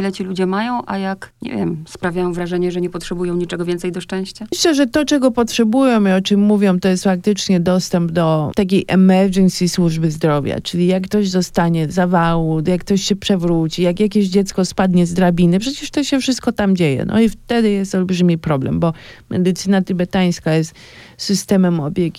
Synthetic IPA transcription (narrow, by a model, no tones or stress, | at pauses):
lɛt͡ɕilud͡ʑɛmajɔ̃w̃ʔajakɲɛ̰vʲjɛ̰mspɾavʲjajɔ̃w̃vɾaʐɛɲɛʐɛɲɛpɔtʂɛbujɔ̃w̃ɲit͡ʂɛɡɔvʲjɛnt̪sɛjd̪ɔʂt͡ʂɛ̃w̃ɕt͡ɕaɕlɛʐɛt̪ɔt͡ʂɛɡɔpɔtʂɛbujɔ̃w̃iɔt͡ʂɨmːuvʲjɔ̃w̃t̪ɔjɛst̪fak̚t̪ɘt͡ʂɲɛd̪ɔst̪ɛmbd̪ɔt̪ak̬ʲejʔɛmɛɾd͡ʒɛnsʲiswuʐbɘzd̪ɾɔvʲja̰t͡ʂɘlʲijakːt̪ɔʑzɔst̪aɲɛzavawut̪jakːt̪ɔɕɕɛpʂɛvɾut͡ɕijakjakʲeʑd͡ʑɛt̪skɔspad̪ɲɛzd̪ɾabʲinɨpʂɛt͡ɕɛʂt̪ɔɕɛfʂɨst̪kɔt̪amd͡ʑejɛ̰nɔ̰ift̪ɛd̪ɘjɛst̪ɔlbʐɘmʲipɾɔblɛ̰mbɔmʔɛ̰d̪ɘt̪sɘnat̪ibɛt̪aj̃skajɛst̪ | sɘst̪ɛmɛmɔbʲjeɡʲi